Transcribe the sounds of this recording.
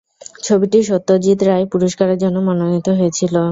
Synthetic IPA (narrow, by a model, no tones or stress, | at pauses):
t͡ɕʰobiʈiʃot̪ːod͡ʑit̪ɾajpuɾoʃkaɾeɾd͡ʑonːomɔnonit̪oɦoet͡ɕʰilo